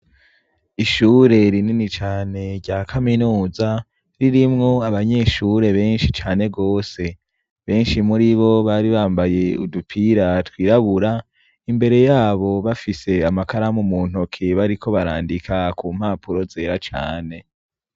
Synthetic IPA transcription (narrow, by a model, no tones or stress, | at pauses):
iʃuːɾe̞ɾininit͡ʃaːne̞ɾɟaːkʰaminuːza | ɾiɾimŋo̞aβaɲe̞ːʃuɾe̞βe̞ːnʃit͡ʃaːne̞ɡo̞ːse̞ | βe̞ːnʃimuɾiβo̞βaɾiβaːmbaje̞ṵdupʰiɾatwiːɾaβuɾa | imbe̞ɾe̞jaːβo̞βafise̞amakaɾamumuːn̥ho̞kʰeβaɾikʰo̞βaɾa̰ːndikʰakuːm̥haːpuɾo̞ze̞ːɾat͡ʃa̰ːne̞